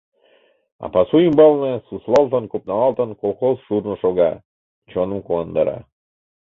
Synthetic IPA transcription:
ɑ̰pɑsujimbɑlˠnɤsuslˠɑlˠt̪ənkop̚nɑɑlˠt̪ə̆nkolˠxosʃuɾnɤ̆ʃoɣɑ | t͡ɕonə̆mkuɑnd̪ɑɾɑ̰

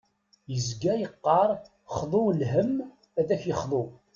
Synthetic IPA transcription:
jəzɡæjəqːɑɾˤ | χðˤʊlhəm | æðæçjəχðˤo

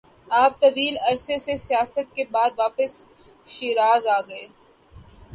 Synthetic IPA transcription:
aːp̚t̪ɐʋiːlɐɾsesesijaːsət̪kebaːd̪ʋaːpəs | ʃiːɾaːzaːɡɐeː

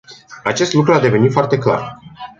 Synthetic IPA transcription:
at͡ʃe̞st̪lukɾuad̪e̞ve̞nit̪foart̪e̞kla̰r

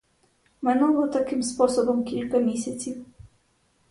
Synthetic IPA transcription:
mɛnɔvɔt̪akɨmspɔsɔbɔmkʲilʲkɐmʲisʲɐtsʲiw

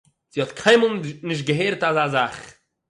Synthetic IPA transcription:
z̥ihɔtkʰaɪməlˠnɪʃ̬tɡəɦeːɾtazazaχ

